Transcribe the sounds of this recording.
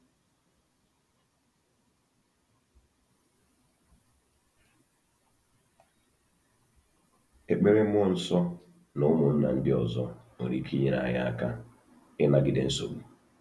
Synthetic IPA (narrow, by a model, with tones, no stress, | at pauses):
e˨k͡pe˦ɾe˦m˦ɔ˦˨n̩˨sɔ˦ | no˨˦mo˨n̩˦na̰˨n̩˦dɪ˦ɔ˨zɔ˦ | o˨ɾi˨kʰi˦ɲe˦na̰˨a̰˨ja˦ka˦ | ɪ˦na˨ɡɪ˨de˨n̩˦so̰˨ɡu˦